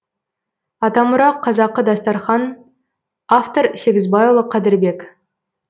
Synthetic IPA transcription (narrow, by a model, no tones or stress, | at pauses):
ɑt̪ɑmʊɾɑqʰːɑzɑqːəd̪ɑst̪ɑɾχɑn | aft̪o̞ɾseɡʲɪzbɑjulˠəqʰːɑd̪ɪɾbe̞k